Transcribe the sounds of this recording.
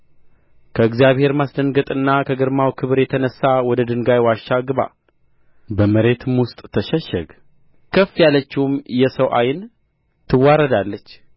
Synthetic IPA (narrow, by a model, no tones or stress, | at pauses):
kʰəɨɡzjaβhe̞ɾmasd̪əŋɡət̪ʼɨnːakʰəɡəɾmawkʰɨβɨɾjɛt̪ʰənəsːawɔd̪əd̪ɨŋɡajwaʃːaɡɨβa̰ | bəməɾe̞t̪ɨmwʊst̪ʼt̪ʰəʃɛʃːɛ̰ɡ | kʰəfːjalət͡ʃːɪumjɛsəwʔajɪn | t̪ʰɨwːaɾəd̪alːət͡ʃː